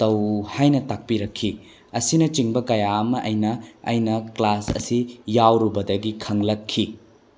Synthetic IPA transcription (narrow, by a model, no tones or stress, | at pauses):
tɐwhajnɐtak̚piɾɐkʰːi | ɐsinɐt͡ʃiŋbɐkɐjaɐmɐʔɐjnɐ̰ːjnɐklasɐ̰sijawɾubɐdɐɡikʰɐŋlɐkʰːi